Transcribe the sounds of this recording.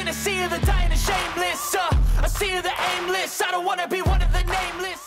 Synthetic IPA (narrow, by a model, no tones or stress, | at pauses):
ɨ̃nɨsiəðɨdãɪɨ̃nɨʃẽɪ̃mlɪsʌəsiəðiʔẽɪ̃mlɪsaɾə̃wɑ̃nɨbiwʌ̃nʌvðɨnẽɪ̃mlɪs